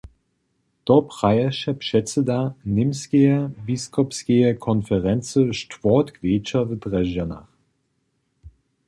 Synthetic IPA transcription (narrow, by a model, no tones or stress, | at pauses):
d̥ɔpʁ̥aɪɐʃɐpʃɛt͡sədaːnɪmskeɐbiskʰɔpsɡ̥eɐkʰɔnfɛʁɛnt͡səʃtv̥ɔːtɡv̥eːt͡ʃɐvədʁɛʒəna̰χ